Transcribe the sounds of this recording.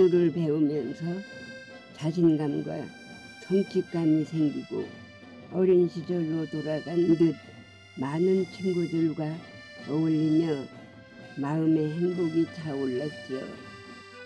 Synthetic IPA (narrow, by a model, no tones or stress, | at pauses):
uɾɯɭpe̞umjʌnsʰʌ | t͡ɕaɕʰinɡamɡwa̰ | t͡ɕʰoŋt͡ɕʰik̚k͈anisʰe̞ŋɡiɡo̰ | ʌɾjʌnɕʰid͡ʑʌɭːotoɾaɡanɯndɯp̚ | manɯnt͡ɕʰiŋɡudɯɭɡwa | ʌuʎːimjʌ | maɯme̞ɦeŋboɡit͡ɕaoɭːat͡ɕ͈ijo̰